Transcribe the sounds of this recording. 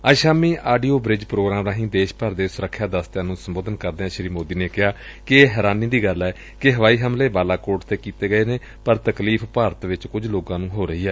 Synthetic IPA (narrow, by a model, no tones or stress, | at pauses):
aːʃaːmiːʔaːɖiːoːbɾɪd͡ʒpɾoːɡɾaːmɾaːɦĩːd̪eːʃpəɾd̪eːsʊɾəkʰːjaːd̪əst̪jãːnũːsəmboːd̪ənkəɾd̪eːãːʃəɾiːmoːd̪iːneːkɪɦaː | kɪeːɦɛːɾaːnĩːd̪iːɡəlɛː | kɪɦəʋaːiːɦəmleːbaːlaːkoːʈt̪eːkiːt̪eːɡəeːneː | pəɾt̪əkliːfʰpaːɾət̪ʋɪt͡ʃkʊd͡ʒloːɡãːnũːɦoːɾəɦiːɦɛː